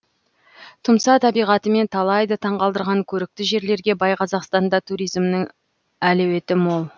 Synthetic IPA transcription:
t̪ʰʊmsɑt̪ʰɑbijʁɑt̪əme̞nt̪ʰɑlˠɑjd̪ət̪ʰɑɴʁɑlˠd̪əɾʁɑŋkʲʰɵɾɪk̚t̪ɪʒe̞ɾle̞ɾɡʲe̞bɑjqʰɑzɑqst̪ɑnd̪ɑt̪ʰuɾijzmnəŋ | ælewe̞t̪ɪmolˠ

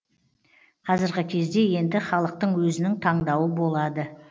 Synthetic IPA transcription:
qʰɑzɪɾʁəkʲʰe̞zd̪e̞je̞nd̪ɪχɑlˠəq̚t̪əɴwɵzɪnɪŋt̪ʰɑɴd̪ɑwəbo̞lˠɑd̪ə

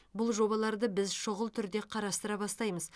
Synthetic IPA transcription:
bʊlˠʒo̞bɑlˠɑɾd̪əbɪzʃʊʁəlˠt̪ʰʏɾd̪e̞qʰɑɾɑst̪əɾɑbɑst̪ɑjməz

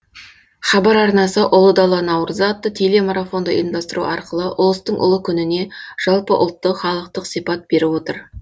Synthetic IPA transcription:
χɑbɑɾɑɾnɑsəʔʊlˠəd̪ɑlˠːɑnɑwɾzɑt̪ːət̪ʰele̞maɾafo̞nd̪əʔḭmd̪ɑst̪əɾuʔɑɾqəlˠəʔʊlˠəst̪əɴʔʊ̰lˠəkʲʰʏnɪne̞ʒ̥ɑlˠpəʔʊ̰lˠt̪ːəχɑlˠəq̚t̪əqsijpɑt̪̚b̥e̞ɾɪwo̞t̪əɾ

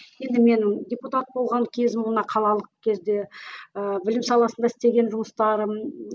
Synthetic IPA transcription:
je̞nd̪ɪme̞ndʲeput̪at̪̚bo̞lˠʁɑŋkʲʰe̞zɪmnɑqʰɑlˠɑlˠəq̚kʲʰe̞zd̪e̞əbɪlɪmsɑlˠɑsənd̪ɑɪst̪e̞ɡʲe̞nʒʊməst̪ɑɾəm

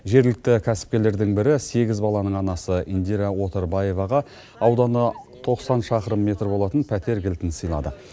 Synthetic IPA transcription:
ʒe̞ɾɡlɪk̚t̪ɪkʲʰæsɪ̥p̚kʲe̞le̞ɾd̪ɪŋbɪɾɪse̞ɡʲɪzbɑlˠɑnəɴɑnɑsəind̪iɾawo̞t̪eɾbaje̞vɑʁɑ | ɑwd̪ɑnət̪ʰo̞qsɑnʃɑqəɾəmːe̞t̪rbo̞lˠɑt̪ənpʰæt̪e̞ɾɡʲɪlt̪ɪnsəjlˠɑ̰d̪ə̰

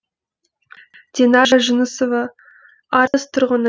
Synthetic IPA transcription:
d̪̥ʲenɑʒaʒənəsova | ɑɾəst̪ʰʊɾʁən

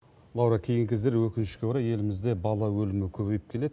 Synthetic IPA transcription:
lˠɑwɾɑkʲʰe̞jɪŋkʲʰezeɾwɵkʲɪnʃɪkʲeuɾɑje̞lɪmɪzd̪e̞bɑlˠɑwɵlɪmɪkʲʰɵβe̞jɪp̚kʲʰe̞le̞d̪ɪ

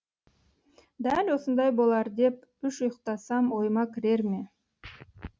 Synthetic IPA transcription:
d̪ælʲwo̞sənd̪ɑjbo̞lˠɑɾd̪e̞p | ʏʃʊjəqt̪ɑsɑmwo̞jmɑkʲʰɪɾe̞ɾme̞

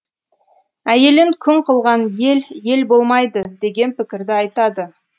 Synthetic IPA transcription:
æje̞lɪŋkʲʰʏŋqʰəlˠʁɑnje̞lje̞lbo̞lˠmɑjd̪əd̪e̞ɡʲe̞npɪkʲɪɾd̪ɪɑjt̪ɑd̪ə

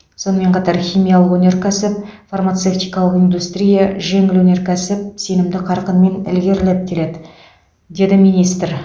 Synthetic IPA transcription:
so̞nəme̞ɴqʰɑt̪ɑɾxʲijmijalˠəqwɵnʲe̞ɾkʲʰæsɪp̚farmat̪seft̪ijkɑlˠəqind̪ust̪ɾʲijaʒe̞ŋɪlwɵne̞ɾkʲʰæsɪp̚se̞nɪmd̪ɪqʰɑɾqənme̞nɪ̰lɡʲe̞ɾlep̚kʲʰele̞d̪ɪ | d̪e̞d̪ɪmijnijst̪ɾ

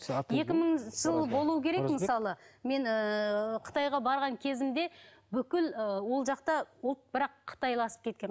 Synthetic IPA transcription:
je̞kʲɪməɴʒ̥əlˠbo̞lˠuwəkʲʰe̞ɾe̞kmməsɑlˠəme̞nəqʰə̥t̪ɑjʁɑbɑɾʁɑŋkʲʰe̞zɪmd̪e̞ | bʏkʲɪləwo̞lˠʒɑqt̪ɑʊlˠt̪̚bɪɾɑqʰːə̥t̪ɑjlˠɑsə̥p̚kʲʰe̞t̪̚kʲen

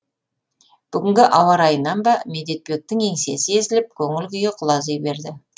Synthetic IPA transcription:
b̥ʏɡʲɪŋɡʲɪʔɑwɑɾɑjənɑnbɑmed̪e̞t̪̚poek̚t̪ːɪŋe̞ŋse̞sɪe̞zɪlɪp̚kʲʰɵŋɪlɡʲʏjeqʰʊlˠɑzejbe̞ɾd̪ɪ

